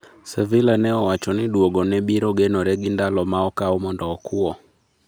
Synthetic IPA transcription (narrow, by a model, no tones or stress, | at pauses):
sɛvilanɛɔwat͡ʃɔnɪdwoɡɔnɛbiɾɔɡenɔɾɛɡɪndalɔmaɔkaɔmɔndɔːkuɔ